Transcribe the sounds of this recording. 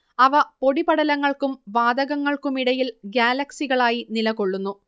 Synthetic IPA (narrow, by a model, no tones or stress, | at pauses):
ɐʋɐpo̞ɽibɐɽɐlɐŋːɐɭkumʋaːd̪ɐɣɐŋːɐɭkumiɽɐjilɡjaːlɐksiɣɐɭaːjinilɐɣo̞ɭːunːu